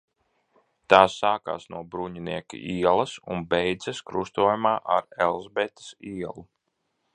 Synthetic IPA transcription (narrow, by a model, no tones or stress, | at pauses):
t̪aːsːaːka̰ːsnuɔbɾuɲiniɛkḭʔiɛlˠɐsṵnbɛjd̪zɛskɾust̪uɔjumaːʔa̰ɾɛlˠzbɛt̪ɐ̥siɛlˠu